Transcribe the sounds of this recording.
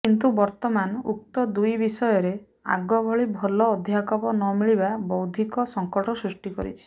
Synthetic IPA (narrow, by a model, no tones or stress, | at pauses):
kint̪ubɔɾt̪ɔmanuk̚t̪ɔd̪ujbisɔjɔɾe | a̰ɡɔbʱɔɭibʱɔlɔːd̪ʱjakɔpɔnɔmiɭibabɔwd̪ʱikɔsɔŋkɔʈɔsɾusʈikɔɾḭt͡ʃʰi̥